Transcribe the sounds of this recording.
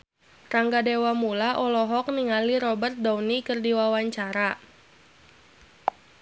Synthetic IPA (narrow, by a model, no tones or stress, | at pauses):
raŋɡadewamulaʔɔlɔɦɔk̚niŋaliɾɔbərt̪̚dawnikɨrdiwawaɲt͡ʃaɾa